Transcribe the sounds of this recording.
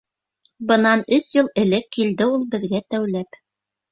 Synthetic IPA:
bɤ̆nɑnɵsjɤlˠɘ̆lɘkːild̪ɘulˠbɘ̆ðɡæt̪æwlæp

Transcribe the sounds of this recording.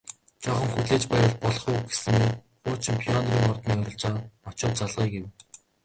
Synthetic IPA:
t͡ɕɔχɞ̆ŋxuɮeːt͡ɕpæːwə̆ɮ̚pɔɮɞ̆χuːɡe̥sɘ̆me | χʊːt͡ɕʰimpʰiɔnriːŋɔrt̪nmiːŋɔɾɞ̆ɮt͡ɕaːɔt͡ɕʊːt̪t͡saɮʁiːɡew

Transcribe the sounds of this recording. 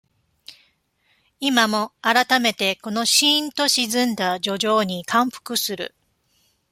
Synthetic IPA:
imamo̞aɾat̪ame̞t̪e̞ko̞no̞ɕĩnt̪o̞ɕizɨ̃nd̪ad͡ʑo̞ʑo̞ːɲ̟ikʰãm̃ɸɯ̟̥kɯ̟sɨɾɯ̰

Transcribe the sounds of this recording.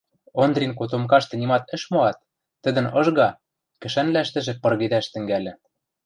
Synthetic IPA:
ond̪rʲink̬ot̪̬omkɑʃt̪ɤ̆nimɑt̪ɘ̆ʃmoɑt̪̚ː | ɘ̆d̪ɘ̆nɤ̆ʒɣɑ | kɘ̆ʃænlæʃt̪ɘ̆ʒĕpɤ̆rɣed̪æʃt̪ɘ̆ŋɡælʲɘ̆

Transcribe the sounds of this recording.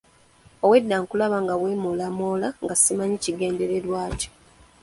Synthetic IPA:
owe̞dːaːŋkulaβaŋɡaβweːmolamoːlaŋɡasimaɲiciɡe̞ːnde̞ɾe̞lwaːco̥

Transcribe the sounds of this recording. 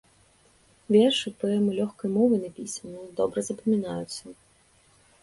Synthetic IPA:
vʲɛrʂɨpɨɛmɨlʲɔxkɔjmɔvɨnɐpʲisɐnud̪ɔbɾɐzɐpɐmʲinajʊt̪sːɐ

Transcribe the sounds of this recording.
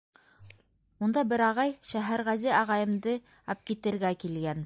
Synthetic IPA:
und̪ɑbɘɾɑʁɑjʃæɦæɾʁæzɘɑʁɑjɤ̆md̪ɤ | ɑp̚kit̪ɘ̆ɾɡækilɡæn

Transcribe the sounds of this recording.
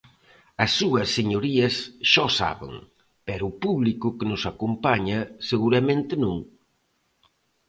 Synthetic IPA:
ɐsːuɐsːeɲoɾiɐsʃɔsa̰βɪ̰ŋ | pɛɾʊːpuβlikʊkenʊsakompaɲɐseɣuɾɐmẽnt̪ɪnũŋ

